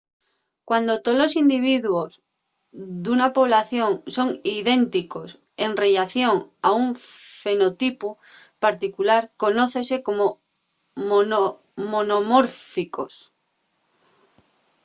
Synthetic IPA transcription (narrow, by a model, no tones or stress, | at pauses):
kwand̪ot̪olosind̪iβ̞iðwoz | ðunapoβ̞laθjoŋsoŋiðent̪ikos | enreʎaθjoŋauŋfenot̪ipupaɾt̪ikulaɾkonoθesekomo | mono | monomoɾfikos